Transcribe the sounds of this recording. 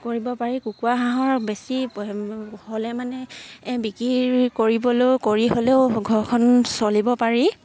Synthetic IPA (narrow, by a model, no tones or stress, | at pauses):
koɹibɔpaɹikukuaɦãɦɔɹbesi | holɛmanɛbikɹiɹkoɹibɔlojkoɹiɦoleʊɡʱɔɹkʰɔnsolibɔpaɹi